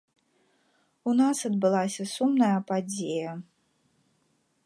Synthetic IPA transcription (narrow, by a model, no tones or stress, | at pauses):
unasɐd̪̚bɨlˠasʲɐsumnɐjɐpad͡zʲejɐ